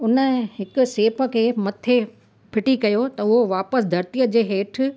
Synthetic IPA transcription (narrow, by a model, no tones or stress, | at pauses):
ʊnəhɪkʊ̆seːpə̆kʰeːmɐt̪ʰe | pʰɪʈikɐjot̪ɐʊɦoʋaːpəsd̪ʱɐɾt̪ijəd͡ʑeːɦeːʈʰ